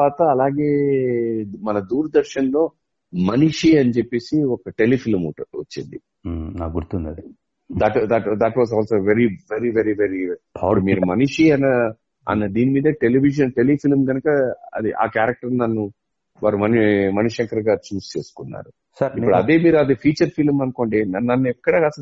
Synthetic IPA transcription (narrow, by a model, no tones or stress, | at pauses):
aːt̪ɐːlaːɡe̞ː | mɐnɐd̪uːɾɐd̪ɐɾʃɐnlo̞ː | mɐniʂiɐnit͡ʃepːe̞ːsiɔkɐʈe̞lipʰilmʈʋɐt͡ʃːind̪i | na̰ːkɡuɾt̪und̪ɐi | d̪ɐʈd̪ɐʈd̪ɐʈʋaːzaːlsoːʋeɾiʋeɾiʋeɾiʋeɾiːɽumiːɾumɐniʂiɐnɐ | ɐ̰nːɐd̪iːnimiːd̪ɐʈeliʋiʃ̬ɐnʈe̞lipilmɡɐnɐkɐɐ̰d̪iʔa̰ːkaːɾɐk̚ʈɐɾnɐnːu | ʋaːɾumɐnmɐniʃɐŋkɐɾɡaːt͡ʃuːst͡ʃe̞ːsu̥kunːa̰ːɾu | sɐɾipuɽuɐd̪e̞ːmiːɾuɐd̪eːpʰiːt͡ʃɐɾpʰilmɐnuko̞ːɳɖinɐnɐnːuɛkːɐɽɐas